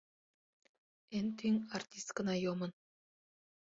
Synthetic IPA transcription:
ent̪ʰyŋart̪ʲist̪kənajomən

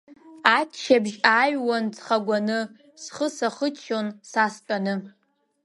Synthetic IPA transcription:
atʰʃabʒajwant͡sʰχaɡʷanɨ | sχəsaχət͡ʃʰonsastʼanɨ

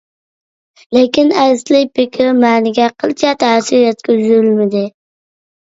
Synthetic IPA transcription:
lɪkʲinæslɪk̚ʲpʰɪkʲʰɪɾmæːnɪɡʲɛqʰəlˠt͡ʃʰɛt̪ʰæːsiɾjɛt̪̚kʲeyzyɾɪlmɪd̪ɪ

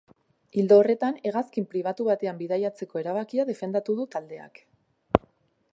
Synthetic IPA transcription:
ild̪o̞ːre̞t̪ane̞ɣaskimpɾiβ̞at̪uβat̪e̞ambiðajat͡se̞ko̞e̞ɾaβ̞akiað̞e̞fe̞nd̪at̪uðut̪ald̪e̞a̰k

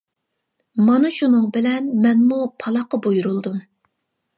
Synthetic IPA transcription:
mɑnɨʃunɨŋbɪlɛnmɛnmupʰɑlˠɑqɑbojuɾulˠd̪um

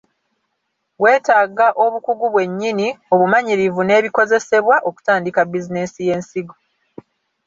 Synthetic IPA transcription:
βwe̞ːtaːɡaʔo̞βukuɡuβwe̞ɲːinio̞βumaɲiɾivune̞ːβiko̞ze̞se̞βwaʔo̞ku̥taːndikabːizine̞sije̞ːnsiɡo

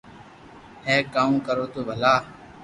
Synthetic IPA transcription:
heːkaːũːkəɾoːt̪oːbʱəlaː

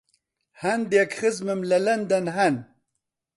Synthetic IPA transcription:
hɐnd̪jakxɨzmemlɐlɐnd̪ɐnɦɐn

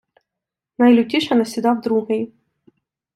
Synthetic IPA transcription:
nɐjlʲʊtʲiʃɛnɐsʲid̪ɑwd̪ɾuɦɪj

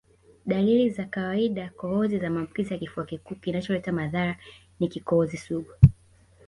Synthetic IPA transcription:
ɗalilizakawaiɗakɔɔzizamaːmbukizijakifuakikuːkinat͡ʃɔlɛtamaðaɾa | nikikɔɔzisuɡu

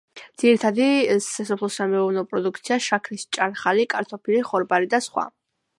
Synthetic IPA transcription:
d̪z̥iɾit̪ʰad̪isasɔpʰlˠɔsamɛɔvnɔpʼɾɔd̪ukʰt̪sʰiaʃakʰnist͡ʃʼaɾχalikʼaɾt̪ʰɔpʰiliχɔɾbaɾid̪asχwa̰

